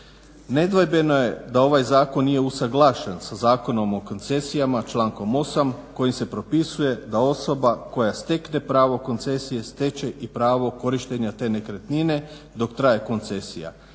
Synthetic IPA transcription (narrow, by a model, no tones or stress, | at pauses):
ne̞d̪ʋajbe̞no̞je̞d̪ao̞ʋajzaːko̞nːije̞usaɡlˠaʃensazaːko̞no̞mo̞ko̞nt̪se̞sijamat͡ʃlˠaːŋko̞mo̞samko̞jimse̞pɾo̞pisuje̞d̪ao̞so̞bako̞jast̪e̞kne̞pɾaːʋo̞ko̞nt̪se̞sije̞st̪e̞t͡ɕe̞ʔipɾaːʋo̞ko̞ɾiʃt̪eɲat̪e̞ne̞kɾet̪nine̞ | d̪o̞kt̪ɾaje̞ko̞nt̪se̞sḭja̰